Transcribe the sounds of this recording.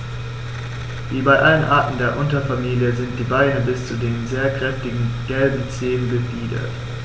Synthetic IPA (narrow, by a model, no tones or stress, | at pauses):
viːbaɪʔalənʔaːɐtn̩deːɐʔʊntɐfamiːljəzɪnt̚d̥iːbaɪnəbɪst͡sudeːnzeːɐkʁ̥ɛftɪɡŋ̩ɡ̥ɛlbm̩t͡seːənɡəfiːdɐ̰t